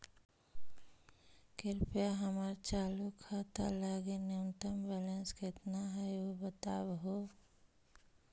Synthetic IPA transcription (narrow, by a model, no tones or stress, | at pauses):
kɪɾpjaɦəmaɾt͡ʃaːlukʰːat̪alaːɡenent̪əmbɛːlənskɪt̪naɦɛobət̪aːbɦoː